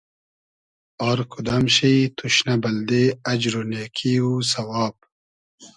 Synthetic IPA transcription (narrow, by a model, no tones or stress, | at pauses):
aːɾkʰud̪amɕiit̪ʰuɕnɐbɐld̪eɐd͡ʑɾoneːkʰiːuːsɐwaːb̚